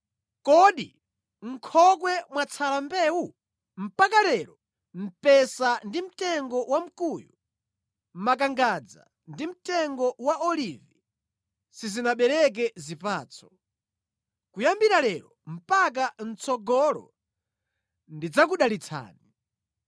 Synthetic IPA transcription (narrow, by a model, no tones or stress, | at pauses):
kɔɗi | ŋ̩kʰɔk̬wɛmwat͡sʰalambɛːwu | m̩pak̬alɛɾɔ | m̩pɛsandim̩tɛŋɡɔwam̩kuju | m̩mak̬aŋɡad͡za̰ | ndim̩tɛŋɡɔwaɔlivi | sizinaɓɛɾɛk̬ɛzipaːt͡sʰɔ̥ | kujambiɾalɛɾɔm̩pak̬an̩t͡sʰɔɡɔlɔ̰ | ndid͡zakuɗalit͡sʰa̰ːni